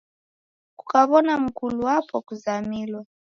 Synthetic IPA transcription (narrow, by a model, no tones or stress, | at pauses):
ku̥kaβɔnam̩kuluwapɔkuzamilwa